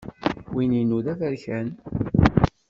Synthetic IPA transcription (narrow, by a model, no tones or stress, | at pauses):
wininuðæðæɾçæn